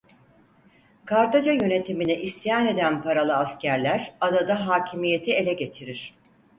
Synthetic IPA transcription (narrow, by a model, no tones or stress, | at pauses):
kʰaɾt̪ad͡ʒajø̞ne̞t̪ʰiminiʔist̪ijaːne̞d̪ænpʰaɾalˠɯascæɾlʲæɾad̪ad̪aɦaːcʰimije̞t̪ʰie̞lʲɛɟe̞t͡ʃʰiɾiɾ̥